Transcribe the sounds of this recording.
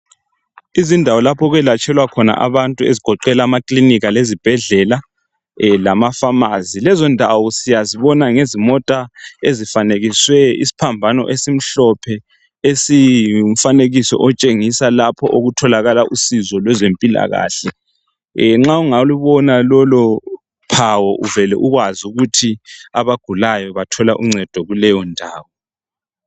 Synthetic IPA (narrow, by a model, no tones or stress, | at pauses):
izindʱawɔlapʰɔɣwɛlat͡ʃʰʼɛlwakʰɔna̰ʔa̰βantʼuḛziɡ̥ʱɔǃɛlaːmakʼliniɣalezib̥ʱɛɮɛla | lamafamazilɛzɔndʱawɔsijaziβɔnaŋezimɔtʼaezifaneɣiswɛḭsi̥pʰambʱanɔ̰ʔesim̩ɬɔpʰɛ | esiuɱ̩faneɣisɔ̰ʔɔt͡ʃʼeŋisalapʰɔʔoɣutʰɔlaɣalaʔusizɔlwɛzempʼila̰ɣa̰ːɬɛ | ŋ͡ǁauŋauluβɔnalɔlɔ | pʰawɔʔuvɛlɛ̰ʔuɣwazuɣutʰiaβaɡ̥ʱulajɔβatʰɔlaʔuŋ͡ǀɛd̥ʱɔɣulɛjɔndʱaːwɔ